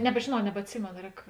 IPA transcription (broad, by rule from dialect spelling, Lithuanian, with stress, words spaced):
nʲɛbʲʒʲeːˈnɐʊ nʲɛbɐtʲˈsʲɪmʲeːnoː ˈrʲɛːk